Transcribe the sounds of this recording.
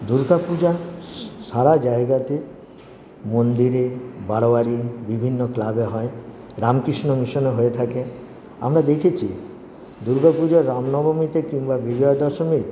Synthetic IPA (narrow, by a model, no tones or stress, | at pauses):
d̪uɾɡapud͡ʑaʃaɾad͡ʑaeɡat̪e | mond̪iɾebaɽoaɽibibʱinːoklabeɦɔe | ɾamkɾiʃnomiʃoneɦoet̪ʰake | a̰mɾad̪ekʰit͡ɕʰḭ | d̪uɾɡapud͡ʑaɾamnɔbomit̪ekiŋbabid͡ʒɔod̪ɔʃomik